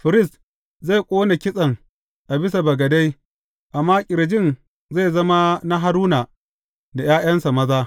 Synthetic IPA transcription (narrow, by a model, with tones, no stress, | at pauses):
ɸɪ˨ɾɪ˦˨s | za˦˨jkʷʼoː˦na˨kʲɪ˦sʼɐ˨ŋ | ʔa˨bɪ˦s̬a˨bɐ˨ɡɐ˨da˦j | ʔa˨mːaː˦kʲʼɪ˨ɾd͡ʒɪ˦n | za˦˨zɐ˦ma˦na˦ɦa˦ɾuː˦naː˨ | da˨jaː˦j̰ɐ˦nsa˨mɐ˦zaː˦